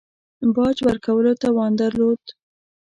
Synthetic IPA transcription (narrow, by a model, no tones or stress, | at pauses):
bɑd͡ʒwəɾkawəlot̪awɑnd̪aɾlod̪